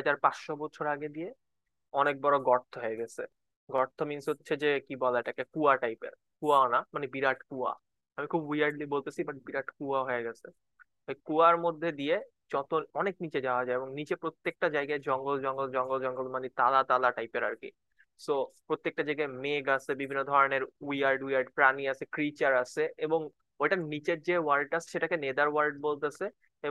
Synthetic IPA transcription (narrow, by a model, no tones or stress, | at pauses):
ad͡ʑaɾpasʃɔbɔtːʃʰoɾaɡed̪ije | ɔnek̚bɔɾoɡɔɾt̪ʰːoɦɔeɡɛt͡ɕʰe | ɡɔɾt̪ʰominsɦotːɕʰed͡ʑekibɔlaeʈakekuaʈajpḛɾ | kuaonamanebiɾaʈkua̰ | amikʰubwijaɾɖlibolt̪esʰibaʈibiɾaʈkuaɦɔeɡɛt͡ɕʰe | t̪ɔjkuaɾmod̪ʱːed̪ije | d͡ʑɔt̪oɔneknit͡ɕed͡ʑaoad͡ʑaeeboŋnit͡ɕepɾot̪ːek̚ʈad͡ʑajɡaed͡ʑɔŋɡold͡ʒɔŋɡold͡ʑɔŋɡold͡ʒɔŋɡolmanit̪alat̪alaʈajpeɾa̰ɾkḭ | sopɾot̪ːek̚ʈad͡ʑajɡameɡasʰebibʱinːod̪ʱɔɾoneɾwiaɾɖwijaɾɖpɾaniasʰekɾit͡ɕaɾasʰeʔeboŋ | ojʈanit͡ɕeɾd͡ʑewaɾʈasʰe̥ʃeʈakened̪aɾwaɾɖ̚bolt̪esʰe | e